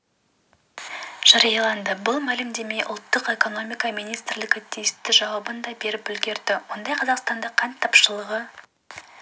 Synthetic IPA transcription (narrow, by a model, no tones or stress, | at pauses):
ʒ̥ɑɾɑjɑlˠɑnd̪əbʊlˠmælɪmd̪e̞me̞jʔʊ̰lˠt̪ːəqe̞ko̞no̞mijkɑmijnijst̪ɪɾlɪɡʲɪt̪ʲʰijɪst̪ɪʒɑwɑbənd̪ɑbe̞ɾɪpʏlɡʲe̞ɾd̪̥ɪwo̞nd̪ɑjqʰɑzɑqst̪ɑnd̪əqʰːɑnt̪ʰːɑpʃəlˠəʁə